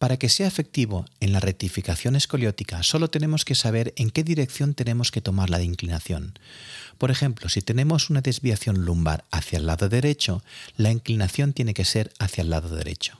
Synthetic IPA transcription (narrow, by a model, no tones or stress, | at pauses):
paɾake̞seaefe̞k̚t̪iβ̞o̞e̞nlaret̪ifikaθjo̞ne̞sko̞ljot̪ikaso̞lo̞t̪ene̞mo̞ske̞saβ̞e̞ɾe̞ŋke̞ðiɾe̞k̚θjo̞nt̪e̞nẽ̞mo̞ske̞t̪o̞maɾlaðiŋklinaθjo̞̰npo̞ɾe̞xe̞mplo̞sit̪e̞ne̞mo̞sunaðe̞zβiaθjo̞nlumba̰ɾaθjaelːa̰ðoðe̞ɾe̞t͡ʃo̞laiŋklinaθjo̞nt̪je̞ne̞ke̞se̞ɾaθjaelːaðoðe̞̰ɾḛt͡ʃo̥